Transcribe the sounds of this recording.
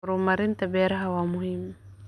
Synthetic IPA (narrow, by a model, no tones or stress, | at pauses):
ɾumaɾint̪abɛɾaɦawamuɦim